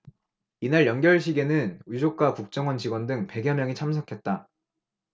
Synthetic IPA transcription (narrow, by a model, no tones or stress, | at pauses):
inaɭjʌnɡjʌɭɕ̬ʰiɡe̞nɯnid͡ʑok̚k͈akuk̚t͡ɕ͈ʌŋwʌnt͡ɕiɡwʌndɯŋpe̞ɡjʌmjʌŋit͡ɕʰamsʰʌkʰe̞t̚t͈a